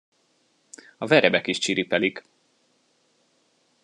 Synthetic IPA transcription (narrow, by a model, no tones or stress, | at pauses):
ɒvɛɾɛbɛkiʃt͡ʃiɾipɛlik